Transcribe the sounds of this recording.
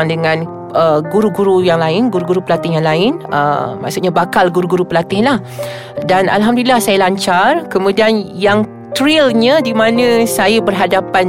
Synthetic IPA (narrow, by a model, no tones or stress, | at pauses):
ŋdəŋãn | ʔəɡuɾuɡuɾujaŋlaɪnɡuɾuɡuɾupəlat̪ɪɦjaŋlaɪnə̰ma̰ʔsut̪ʔɲabakalɡuɾuɡuɾupəlat̪ɪhlah | danʔa̰lɦamdulilahsajalaɲt͡ʃarkəmũdianjaŋ | t̪ɾilɲə̃dimãnə̃sajəbərɦadapan